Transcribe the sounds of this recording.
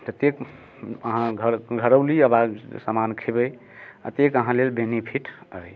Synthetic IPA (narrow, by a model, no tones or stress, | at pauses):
t̪ət̪ek | əɦãɡʱəɡʱəɾəʊliəbad͡ʒsəmankʰebəj | ə̰t̪ekəɦãlelbenipʰiʈəj